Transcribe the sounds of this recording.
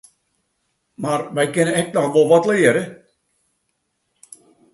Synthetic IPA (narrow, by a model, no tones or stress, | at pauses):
marʋɛjkɪnəɛk̚nɔxʋolˠʋɔtlɪəɾə